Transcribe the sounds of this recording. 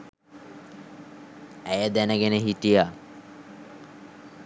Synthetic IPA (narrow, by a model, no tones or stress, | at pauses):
ɛjad̪ɛneɡeneɦiʈija